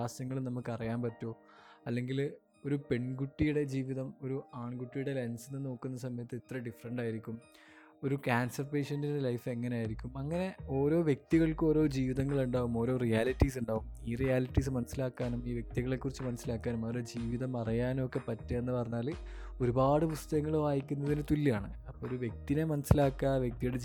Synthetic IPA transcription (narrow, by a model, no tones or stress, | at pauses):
aːsɐŋːɐɭnɐmːukːɨɐrijaːnpɐtːo̞ː | ɐlːe̞ŋɡil | o̞ɾupe̞ɳɡuʈːijuɽe̞d͡ʑiːʋiðɐmo̞ɾuaːɳɡuʈːijuɽe̞lensinːɨno̞ːkːunːɐsɐmɐjɐt̪ːɨit̪rɐɖifɐrɐɳɖaːjiɾikʲːum | o̞ɾukaːnsɐrpeːʂɐndinde̞lɐjfe̞ŋːɐnejaːjiɾikʲːumɐŋːɐne̞o̞ːɾo̞ːʋjek̚t̪iɣɐɭkɨo̞ːɾo̞ːd͡ʑiːʋiðɐŋːɐɭuɳɖaːʋumo̞ːɾo̞ːrijaːliʈːis̬uɳɖaːʋumiːrijaːliʈːis̬ɨmɐnɐsːilaːkːaːnumiːʋje̞k̚t̪iɣɐɭekːurit͡ɕːɨmɐnɐsːilaːkːaːnumɐːɾod͡ʑiːʋiðɐmɐrɐjaːnmokːe̞pɐtːɐenːɨpɐrɐɲːaːl | o̞ɾubaːɽɨpust̪ɐɣɐŋːɐɭʋaːjikʲːunːɐðinɨt̪ulːiaːɳɨɐpːoːoɾuʋje̞k̚t̪inemɐnɐsːilaːkːaʋjek̚t̪ijuɽe